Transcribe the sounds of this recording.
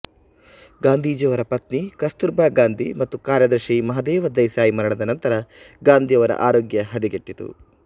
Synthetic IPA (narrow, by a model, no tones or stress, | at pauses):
ɡaːnd̪ʱiːd͡ʒɐʋɐɾɐpɐt̪nikɐst̪uɾbaːɡaːnd̪ʱimɐt̪ːukaːɾjɐd̪ɐɾʃimɐɦɐd̪ɛːʋɐd̪ɐjsaːjimɐɾɐɳɐd̪ɐnɐnt̪ɐɾɐ | ɡaːnd̪ʱijɐʋɐɾɐ̰ʔaːɾoːɡjɐɦɐd̪iɡeʈːit̪ṵ